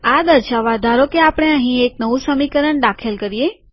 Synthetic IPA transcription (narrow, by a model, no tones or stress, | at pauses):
ad̪əɾʃaʋad̪ʱaɾokeapəɽ̃eə̃ɦĩek̚nəʋũsəmikəɾəɳɖ̪akʰelkəɾije